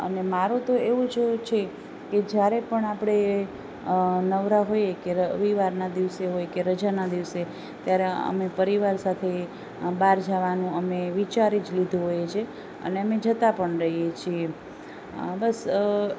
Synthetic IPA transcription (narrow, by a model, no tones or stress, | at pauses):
ə̰nemaɾũt̪oeʋũd͡ʒt͡ʃʰe | ked͡ʒjaɾepəɳapɽ̃e | nəʋɾaɦojekeəʋiʋaɾnad̪iʋseɦojkeɾəd͡ʒanad̪iʋse | t̪jaɾeə̰mepəɾiʋaɾsat̪ʰe | baɾd͡ʒaʋanũəmeʋit͡ʃaɾid͡ʒlid̪ʱũɦojet͡ʃʰe | ə̰neəmed͡ʒət̪apəɳɾəɦijet͡ʃʰie | bəs